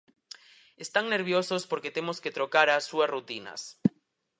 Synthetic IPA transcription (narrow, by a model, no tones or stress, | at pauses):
est̪aŋne̞ɾβ̞josospoɾket̪emosket̪ɾokaɾasuasrut̪ina̰s